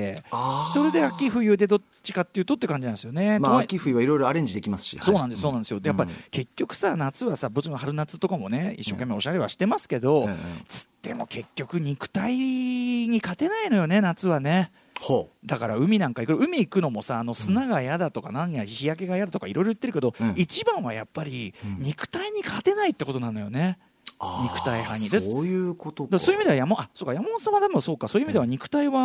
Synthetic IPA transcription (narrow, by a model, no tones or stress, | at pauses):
easo̞ɾe̞d̪e̞akʲiɸɯ̟ijɯ̟ːd̪e̞d̪o̞ | t͡ɕi̥kat̪ːejɯ̟t̪o̞t̪ːekãɲd͡ʑinãnsɨjo̞ne̞tmaakʲiɸɯ̟iβaiɾo̞jɾo̞aɾẽ̞ɲd͡ʑid̪e̞kʲimasɨ̥ɕḭsoːnãnd̪esoːnãnd̪sɨjod̪ejapːaike̞kʲːo̞kɯ̟̥sanat͡sɨβasabɯt͡ɕinɦaɾɯ̟nat͡sɨ̥t̪o̞kamo̞ne̞ḭɕːo̞̰ːkʲe̞mːe̞o̞ɕaɾe̞βaɕi̥t̪e̞masɨ̥ke̞d̪o̞t͡sɨ̥t̪ːe̞̰mo̞̰ke̞kʲːo̞kɯ̟ɲ̟ikɯ̟̥t̪aiɲ̟ikat̪e̞naino̞jo̞ne̞nat͡sɨβane̞ | hod̪akaɾaɯ̟mʲinãŋkaikoɾɯ̟mʲiːkɯ̟no̞mo̞saːno̞sɨnaɡajad̪at̪o̞kanãɲiaçijak̬e̞ɡajad̪at̪okaiɾo̞jɾo̞jɯ̥t̪ːe̞ɾɯ̟ke̞d̪o̞it͡ɕibãɰ̃βaja̰pːaɾʲiɲ̟ikɯ̟̥t̪aiɲ̟ikʰat̪e̞nait̪ːe̞ko̞t̪o̞nãno̞jo̞̰ne̞ | ɲikɯ̟̥t̪aihãɲ̟ːid̪ejɯːkot̪od̪asoːjɯimid̪eajamãʔasoːkajamaosãβad̪emoso̞ːkːaso̞ːjɯimid̪e̞aɲ̟ikɯ̟̥t̪aiβa